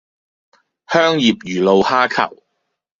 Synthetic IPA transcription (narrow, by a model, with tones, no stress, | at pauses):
hœː˥ŋjiː˨p̚jyː˨˩lo˨˧whaː˥kʰɐ̰˨˩w